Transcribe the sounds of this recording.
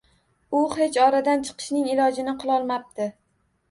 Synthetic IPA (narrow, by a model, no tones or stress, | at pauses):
ʊhe̞t͡ʃʰɒɾad̪ant͡ʃʰɨ̥qʰɨ̥ʃnɪŋɪlɒd͡ʒɪnɪqʰɨlˠɒlˠmap̚t̪ʰɪ